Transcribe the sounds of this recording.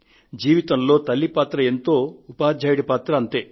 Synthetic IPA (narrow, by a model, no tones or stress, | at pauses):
d͡ʒiːʋit̪ɐmlo̞ːt̪ɐlːipaːt̪ɾɐent̪o̞ːupaːd͡ʒʱaːjɽipaːt̪ɾɐɐnt̪e̞ː